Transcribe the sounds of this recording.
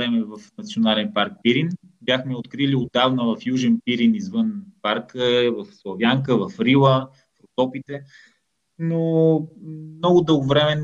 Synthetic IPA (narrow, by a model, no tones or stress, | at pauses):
ɾɛmɛvɐfnɐt̪sionalɛnpaɾk̚piɾin | bjaxmɛot̪kɾiliod̪avnəvɐfjuʒɛnpiɾinizvənpaɾkəvɐfslˠɐvjaŋkəvɐfɾilˠə | fɾot̪ɔpit̪ɛ | no | mnɔɡʊd̪ɤlˠɡovɾɛmɛ